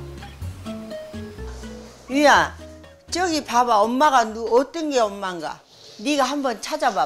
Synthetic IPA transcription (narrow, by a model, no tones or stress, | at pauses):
ɥija | t͡ɕ͈ʌɡipabaʌmːaɣɡanuʌt͈ʌnɡe̞ʌmːaŋɡa̰ | niɡahambʌnt͡ɕʰad͡ʑaba